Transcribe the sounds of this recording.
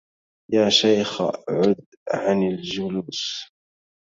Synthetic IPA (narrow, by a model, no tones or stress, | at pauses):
jaːʃajxʕʊd̪ | ʕanɪld͡ʒʊluːs